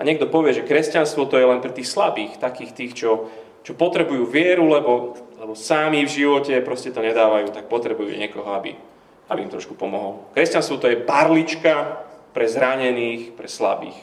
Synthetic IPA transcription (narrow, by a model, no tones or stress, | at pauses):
aɲɪɛɡ̚d̪ɔpɔʋɪɛʒɛkɾɛscanst̪ʋɔt̪ɔjɛlɛnpɾɛt̪iːxslabiːxt̪akiːxt̪iːxt͡ʃɔ | t͡ʃɔpɔt̪ɾɛbujuːʋɪɛɾulɛbɔlɛbɔsamivʒiʋɔcɛpɾɔscɛt̪ɔɲɛd̪aːʋajuːt̪ak̚pɔt̪ɾɛbujṵɲɪɛkɔɦɔabḭ | abiːmt̪ɾɔ̰ʃku̥pɔmɔɦɔlkɾɛscanst̪ʋɔt̪ɔjɛbaɾlit͡ʃkapɾɛzɾaɲɛniːxpɾɛsla̰bḭːx